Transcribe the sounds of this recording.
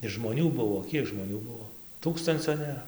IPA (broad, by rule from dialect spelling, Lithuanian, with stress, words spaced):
ɪr ʒmoːˈnʲuː ˈbʊʋoː ˈkʲiɛk ʒmoːˈnʲuː ˈbuɔ ˈtuːkstɐnʲt͡sʲoː nʲeːˈrɐ